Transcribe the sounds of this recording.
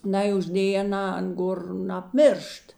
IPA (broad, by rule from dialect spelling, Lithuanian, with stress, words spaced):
ˈnɐɪ ʊʒʲˈdʲeːj ɐˈnɑː ˈɐn ˈɡoːr nɐpʲˈmʲɪrʃt